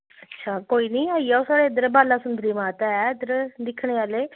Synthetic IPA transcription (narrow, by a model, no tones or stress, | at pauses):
ətːʃʰaːkoːiːnĩːaːiɛːoːsaːɽeːɪd̪əɾbaːlaːsʊnd̪ʱɾiːmãːt̪ɛɛd̪əɾd̪ɪkʰːɽeːaːleː